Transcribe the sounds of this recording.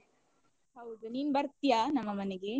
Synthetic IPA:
ɐʋɐd̪uninbɐɾt̪jaːnɐmːɐmɐneɡe

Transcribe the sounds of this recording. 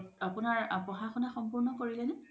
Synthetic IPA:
apunaɹapɔxaxɔnaxɔmpuɹnɔkoɹilɛnɛ

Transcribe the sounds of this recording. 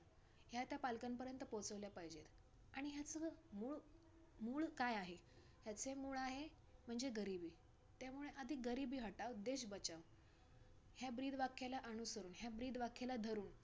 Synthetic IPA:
ɦjat̪japalkampəɾjənt̪əpot͡səʋljapajd͡ʑet̪ | aɽ̃iɦjat͡səmuːɭ | muːɭkajaɦe | ɦjat͡semuːɭaɦe | m̤əɳd͡zeɡəɾibiː | t̪jamuɭeʔəd̪ʱiːɡəɾibiːɦəʈaʋd̪eɕbət͡ɕaʋ | hjabɾiːd̪ʱʋakʰːalaʔəñusəɾuːnɦjabɾiːd̪ʋakʰelad̪ʱəɾuːn

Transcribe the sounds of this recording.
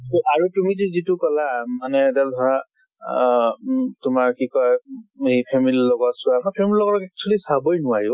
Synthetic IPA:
tɔʔaɹutumizizitʊkɔlamanɛdɛldʱɔɹa | tʊmaɹkikɔjepʰemililɔɡɔsʊamɔpʰemililɔɡɔɹɔkɛk̚t͡ʃʰlisabojnʊwajʊ

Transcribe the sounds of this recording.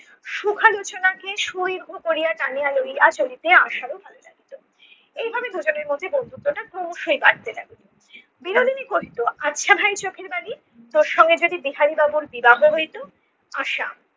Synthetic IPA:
ʃukʰalot͡ɕonakeʃujbbʱokoɾijaʈ̪anialojat͡ɕolit̪eaʃaɾobʱalolaɡit̪o | ejbʱabed̪ʱod͡ʑoneɾmod̪ʱːebond̪ʱuk̚d̪oʈakɾomoʃujbaɽt̪ela̰ɡit̪o | biɾod̪ʱinikoɦit̪oʔatːʃʰabʱajɾt͡ɕokʰeɾbali | t̪oɾʃɔŋɡed͡ʑod̪ibiɦaɾibabuɾbibaboɦojt̪o | aʃa̰

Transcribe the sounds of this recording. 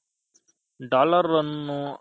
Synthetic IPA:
ɖaːləɾːənːũː

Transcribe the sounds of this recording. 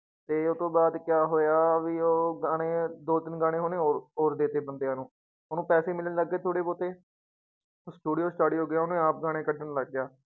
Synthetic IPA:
t̪eːʊt̪õːbaːd̪kjaːɦoːjaːʋiːoːɡaːɽ̃eːd̪oːt̪ɪnɡaːɽ̃eːɦoːneːoːɾoːɾd̪eːt̪eːbənd̪eːaːnũː | ʊnũːpɛːseːmɪlneːləɡːeːt̪ʰoːɽeːpoːt̪eː | sʈuːɽijoːsʈaːɽiːɦoːɡɪjaːʊnːaːp̚ɡaːɽ̃eːkəʈːənləɡːɪjaː

